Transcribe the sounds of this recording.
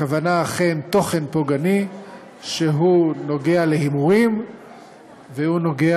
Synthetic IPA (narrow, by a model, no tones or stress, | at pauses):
avanaːχemt̪o̞χe̞npo̞ɡani | ʃeɦuno̞ɡe̞alehimuʁim | vehuno̞ɡea